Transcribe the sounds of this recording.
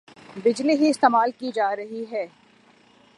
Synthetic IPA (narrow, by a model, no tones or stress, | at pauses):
bɪd͡ʒliɦiɪst̪eːmaːlkid͡ʒaːɾɐɦiɦɛː